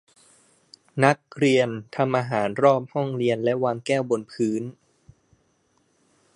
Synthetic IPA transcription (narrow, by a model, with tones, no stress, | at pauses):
na˦˥k̚ɾi˧ənt̪ʰa˧mʔaː˧ɦaː˩˦nɾɔː˥˩p̚hɔ˥˩ŋɾi˧ənlɛ˦˥ʔwaː˧ŋkɛː˥˩wbo˧npʰɯː˦˥n